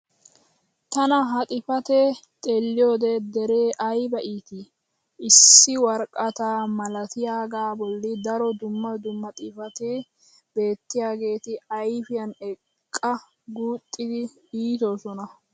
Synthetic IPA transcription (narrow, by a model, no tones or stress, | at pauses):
t̪ɐnɐɦɐt̪ʼɪfɐt̪ɛt̪ʼelːɪjoːd̪ɛd̪ɛɾe̞ːʔɐjbɐʔiːt̪ɪ | ɪsːɪwɐɾkʼːɐt̪amɐlɐt̪ɪjaːɡaːbɔlːɪd̪ɐɾɔd̪ʊmːɐd̪ʊmːɐt̪ʼɪfɐt̪ɪ | be̞ːt̪ːɪjaːɡe̞ːt̪ɪɐjfɪjɐnɛkkʼːɐ | ɡuːt̪ʼːɪd̪ɪ | iːt̪osɔnɐ